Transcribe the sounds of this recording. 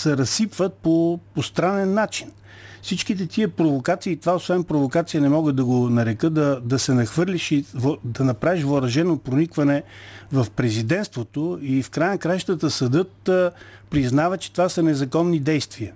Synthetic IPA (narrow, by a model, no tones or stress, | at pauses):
sɛɾɐsipvət̪̚popost̪ɾanɛnːat͡ʃin | fsit͡ʃkit̪ɛt̪iəpɾovokat̪siːt̪ovaosvɛnpɾovokat̪sijənɛmɔɡəd̪̚d̪ɐɡonɐɾɛkɤd̪ɐd̪ɐsɛnɐxvɤɾlʲiʃivd̪ɐnɐpɾaviʃvoɾɐʒɛnopɾonikvɐnɛvɐfpɾɛzid̪ɛnst̪vot̪oifkɾajənɐkɾajʃt̪ət̪əsɐd̪ɤt̪pɾiznavət͡ʃɛ̥t̪ovasənɛzɐkɔnːid̪ɛjst̪viə